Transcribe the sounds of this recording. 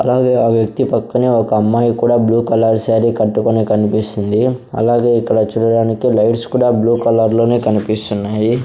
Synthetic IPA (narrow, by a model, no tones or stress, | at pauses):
ɐ̰laːɡeːaːʋjɐk̚t̪ipɐkːɐniɔkɐɐmːaːjkuːɽaːbluːkɐlɐɾsaːɾikɐʈːukonekɐnipist̪ind̪iɐ̰laːɡe̞ːikːɐɽɐt͡ʃuːɽɐɽaːnikilɐjʈskuːɽaːbluːkɐlɐɾlo̞ːneːkɐnipist̪unːaːji